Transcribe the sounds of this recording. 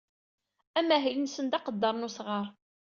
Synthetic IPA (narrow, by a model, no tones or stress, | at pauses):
æmːæɦjənsənd̪ɑqəd̪ːɑɾˤnusʁəɾˤ